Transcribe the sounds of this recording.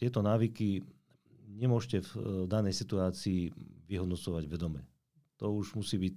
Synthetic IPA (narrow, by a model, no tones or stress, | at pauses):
t̪ɪɛt̪ɔnaːʋiki | ɲɛmʊɔʒcɛvd̪anɛjsit̪uaːt͡siːʋiɦɔd̪nɔt͡sɔʋaɟʋɛd̪ɔmɛ̰ | t̪ɔuʒmusiːbiːc